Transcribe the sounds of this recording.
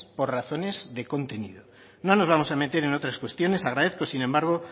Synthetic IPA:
po̞ɾraθo̞ne̞zðe̞ko̞nt̪e̞nḭðo | no̞no̞zβ̞amo̞same̞t̪e̞ɾe̞no̞t̪ɾaskwe̞st̪jo̞ne̞saɣɾaðeθko̞sinẽ̞mbaɾɣ̞o̞

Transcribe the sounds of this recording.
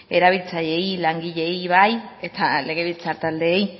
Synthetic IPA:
e̞ɾaβ̞ilt͡saʎe̞jlaŋɡiʎe̞jβaje̞t̪ale̞ɣ̞e̞βilt͡saɾt̪ald̪eːj

